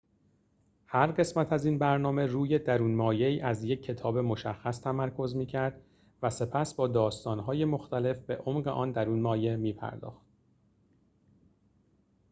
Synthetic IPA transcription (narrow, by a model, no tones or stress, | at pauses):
hæɾɢe̞smæt̪ʰæziːnbæɾnɒːme̞ruːje̞d̪æɾuːnmɒːje̞iːʔæzje̞cʰːe̞t̪ʰɒːbe̞mo̞ʃæxːæst̪ʰæmæɾkʰo̞zmiːcʰæɾd̪ | væse̞pʰæsbɒːd̪ɒːst̪ɒːnɦɒːje̞mo̞xt̪æle̞fbe̞̰ʔomɢe̞ʔɒːnd̪æɾuːnmɒːje̞miːpʰæ̰ɾd̪ɒ̰ːxt̪̚